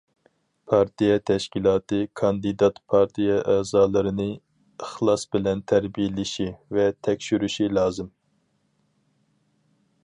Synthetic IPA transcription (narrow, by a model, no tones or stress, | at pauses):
pʰɑɾt̪ʰijɛt̪ʰɛʃkʲilˠɑːt̪ʰɨkʰɑnd̪ɨd̪ɑt̪pʰɑɾt̪ʰijɛʔɛːzɑːlˠɨɾɨnɨ | ɨχlˠɑsbɪlɛnt̪ʰæɾbijelɪʃivɛt̪ʰɛkʲʃyɾyʃilɑːzɨm